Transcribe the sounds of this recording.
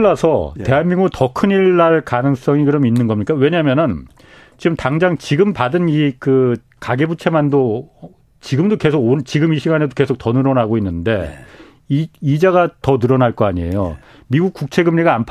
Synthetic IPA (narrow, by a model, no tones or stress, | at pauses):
asʰʌte̞ɦanmiŋɡutʌkʰɯɲiɭːaɭkanɯŋs͈ʌŋikɯɾʌminːɯnɡʌmɲik͈awe̞ɲamjʌnɯn | t͡ɕiɡɯmtaŋd͡ʑaŋt͡ɕiɡɯmpadɯnikɯ | kaɡebut͡ɕʰe̞mando | t͡ɕiɡɯmdoke̞sʰoɡot͡ɕiɡɯmiɕʰiɡane̞doke̞sʰok̚tʌnɯɾʌnaɡoinːɯnde̞ | id͡ʑaɡatʌnɯɾʌnaɭk͈ʌaɲiḛjo | miɡuk̚k͈uk̚t͡ɕʰe̞ɡɯmɲiɡaːnpʰ